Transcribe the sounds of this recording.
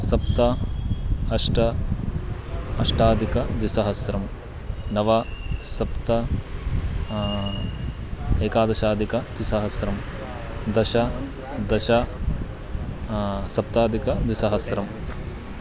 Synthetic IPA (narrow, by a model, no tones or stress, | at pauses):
sɐpt̪ɐ | ɐʂʈɐ | ɐʂʈaːd̪ʱikɐd̪isɐɦɐsɾɐm | nɐʋasɐpt̪ɐ | eːkaːd̪ɐʃaːd̪ʱikɐd̪isɐɦɐsɾɐm | d̪ɐʃɐ | d̪ɐʃɐ | sɐp̚t̪aːd̪ʱikɐd̪ʋisɐɦɐsɾɐm